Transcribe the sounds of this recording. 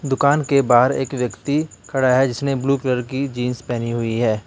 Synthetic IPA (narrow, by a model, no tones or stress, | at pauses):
d̪ʊkaːnkebaːɦɾeːkʋjəkt̪ikʰɐɽaɦɛd͡ʒɪsnẽbluːpləɾkid͡ʒiːnspɛːniɦʊiɦɛː